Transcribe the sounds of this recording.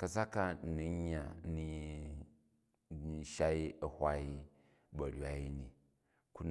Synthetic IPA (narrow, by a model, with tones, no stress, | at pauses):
kɐ˦˨sa˦ka˦n̩˨ni˦ɲː˦a˨˦ni˦˨˦ | ʃa˦i˦ɐ˨hʷa˦i˦ | bɐ˨ɾʲwa˨i˦ni˨ | ku˦n